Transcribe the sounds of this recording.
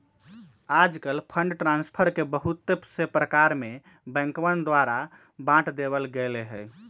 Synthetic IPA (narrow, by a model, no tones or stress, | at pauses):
ad͡ʒkəlpʰəɳɖʈɾãnspʰəɾkebəɦut̪ːepsepɾəkaɾme | bɛ̃ŋkʋənd̪ʋaɾa | bãʈʰd̪eβəlɡeleɦəj